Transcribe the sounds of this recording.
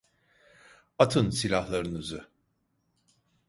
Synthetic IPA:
at̪ʰɯnsilʲahlˠaɾɯnɯzɯ

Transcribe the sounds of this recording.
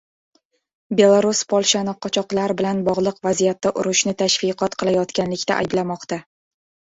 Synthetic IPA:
be̞lˠaɾuspʰɒlˠʃanɪqʰɒt͡ʃʰɒqlˠaɾbɪlanbɒʁlˠɨqvazijat̪ːaʔʊɾʊʃnɪt̪ʰaʃfɪqʰɒt̪qʰɨlˠajɒt̪kʲanlɪkʲt̪a̰ʔa̰jblamɒqt̪a

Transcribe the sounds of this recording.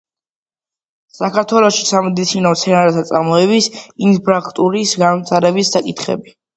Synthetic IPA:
sakaɾt̪ʰwɛlˠɔʃisamɛd̪it̪sʰinɔmt̪sʰɛnaɾɛt̪ʰat̪sʼaɾmɔɛbisinpʰɾakʰt̪ʼuɾisɡanmt̪ʰʼaɾɛbisːakʼit̪ʰχɛ̰bi

